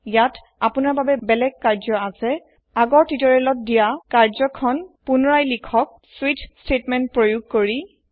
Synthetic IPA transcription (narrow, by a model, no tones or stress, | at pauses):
jat | apʊnaɹbabɛbɛlɛɡ̚kaɹzɔasɛ | aɡɔɹtitɔɹɛlɔt̚dijakaɹzɔkʰɔnpunɔɹajlikʰɔk̚ | switʰstʰetmɛnt̚pɹojuɡ̚koɹi